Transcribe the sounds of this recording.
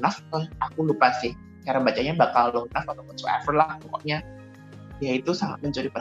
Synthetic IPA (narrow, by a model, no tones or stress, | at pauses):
naft̪ʊakulupasɪh | t͡ʃaɾanbat͡ʃaɲabakalonafat̪akəsua̰fərlahmɔkɔ̰ʔɲa | jait̪usaŋa̰t̪̚məɲt͡ʃuɾipa